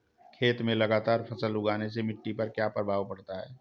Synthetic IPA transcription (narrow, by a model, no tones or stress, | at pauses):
kʰeːt̪mẽlɐɡaːt̪aːɾpʰɐsəlʊɡaːnesemɪʈːipɐɾkjapəɾbʱaːʋpɐɽt̪aɦɛ̰ː